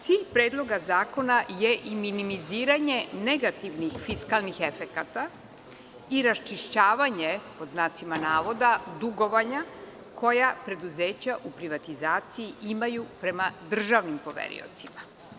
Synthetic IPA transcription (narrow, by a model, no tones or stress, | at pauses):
t̪siːʎpɾe̞ːd̪lˠo̞ɡazaːko̞naje̞ʔiminimiziːɾaɲe̞ne̞ɡat̪iʋnixfiskalˠnixefe̞kat̪a | iɾast͡ʃiʃt͡ɕaːʋaɲe̞po̞d̪znaːt̪simanaːʋo̞d̪ad̪uɡo̞ʋaɲa | kʰo̞japɾe̞d̪uze̞ːt͡ɕaʔupɾiʋat̪izaːt̪sijiʔimajupɾe̞mad̪r̩ʒaʋnimpo̞ʋḛɾḭo̞̰t̪sima